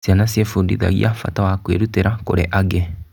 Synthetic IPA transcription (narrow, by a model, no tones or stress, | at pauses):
sianasiɛfundḭða̰ɣḭafa̰tawakweɾuteɾako̰ɾḛʔaɡɛ